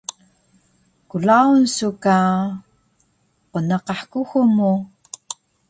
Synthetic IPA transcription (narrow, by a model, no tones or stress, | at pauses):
kulaunsuka | qonɑqɑħkuxumu